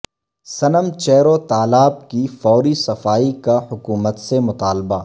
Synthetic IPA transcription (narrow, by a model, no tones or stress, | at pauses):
sɐnəmt͡ʃɛːɾot̪aːlaːb̚kifɔːɾisɐfaːikahʊkuːmət̪semʊt̪aːlbaː